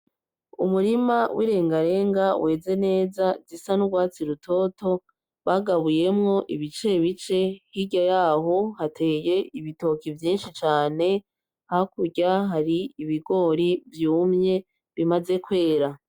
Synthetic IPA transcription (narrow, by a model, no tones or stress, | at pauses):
umuɾimawʔḭɾe̞ːŋɡaɾe̞ːŋɡawʔe̞ːze̞ne̞ːzazisanuɡwaːt͡siɾutʰo̞ːto̞ | βaɡaβuje̞mŋo̞ʔiβit͡ʃe̞βit͡ʃe̞hiɟajaːɦo̞hatʰe̞ːje̞ʔiβito̞kivjiːnʃit͡ʃaːne̞ | haakuɟaɦaɾiiβiɡo̞ːɾivjuːmɲe̞ | βimaze̞kwe̞ːɾa